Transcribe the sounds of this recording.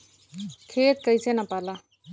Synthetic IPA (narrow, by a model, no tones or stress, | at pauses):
kʰet̪kəjt͡senapala